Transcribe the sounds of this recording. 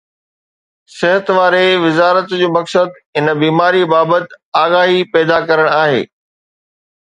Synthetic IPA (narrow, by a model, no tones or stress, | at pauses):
sɪɦət̪ʋaːɾeʋɪzaːɾət̪d͡ʑoːmɐksəd̪ | ɪnəbiːmaːɾibaːbət̪aːɣaːɦipɛːd̪akɐɾəɽ̃aːɦḛː